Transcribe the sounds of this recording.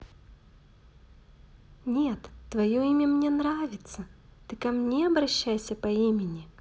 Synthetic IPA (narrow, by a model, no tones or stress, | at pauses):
nʲet̪ːvɐjoimʲəmnʲenɾavʲɪt̪sət̪ɨkɐmnʲeɐbɾɐɕːæjsʲəpɐimʲɪnʲɪ